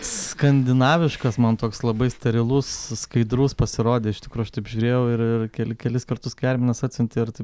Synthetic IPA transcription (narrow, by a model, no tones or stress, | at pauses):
skɐnʲd̪ʲɪnɑːʋʲɪʃkɐsmɐnt̪oːkslˠɐbɐɪsʲt̪ʲɛɾʲɪlˠʊsskɐɪd̪ɾuːspɐsʲɪɾoːd̪ʲeːɪʃtʲɪkɾuːɐʃt̪ɐɪpʒʲuːɾʲeːjɛʊɪrɪrkʲɛlkʲɛlʲɪskɐrt̪ʊskɐɪɛɾʲmʲɛnɐsɑt̪ʲsʲɪnʲt̪ʲɪɪrt̪ɐɪp